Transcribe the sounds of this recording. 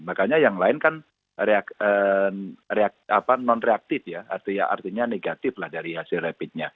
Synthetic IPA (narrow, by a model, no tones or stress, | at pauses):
makaɲajaŋlaɪnkan | reakə | reak̚apanɔnreak̚t̪ɪfjaa̰rt̪iɲaʔa̰rt̪iɲaneɡat̪ɪflahdaɾiɦasɪlrɛpɪt̪̚ɲa